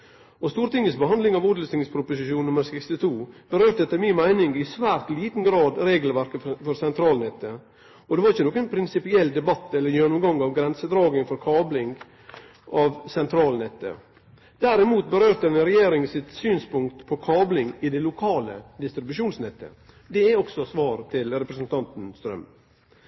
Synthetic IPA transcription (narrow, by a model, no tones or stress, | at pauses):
ɔst̪uːɾt̪ɪŋːəsbəhɑnd̪lɪŋɑʋʊd̪lst̪ɪŋspʰɾʊpʊsɪʃuːnnːʊməɾsɛkst̪ɪt̪ʰuːb̥əɾøːɾt̪əɛt̪ːəmɪnmæɪnɪŋɪsʋæːɾt̪liːt̪n̩ɡɾɑːd̪ɾeːɡəlʋæɾkəfɔɾsɛnt̪ʰɾɑːlnɛt̪ːə | ɔd̪ɛʋɑɾɪçːənoːkənpʰɾɪnsɪpɪɛlːd̪ɛbɑt̪ːɛlːəɾjɛnːʊmɡɑŋɑʋɡɾɛnsəd̪ɾɑːɡɪŋfɔɾkʰɑːblɪŋɡ | ʔɑʋsɛnt̪ʰɾɑːlnɛt̪ːə̰ | d̪̥æɾɪmuːt̪̚bəɾøːɾt̪əɛnɾɛjeːɾɪŋsɪt̪syːnspʊŋkt̪pʰɔkʰɑːblɪŋɪd̪ɛlʊkʰɑːləd̪ɪst̪ɾɪbʉʃuːnsnɛt̪ʰːə̰ | d̪ɛɛɔksɔsʋɑːɾt̪ʰɪlɾɛpɾəsənt̪ʰɑnt̪n̩st̪ɾœ̰m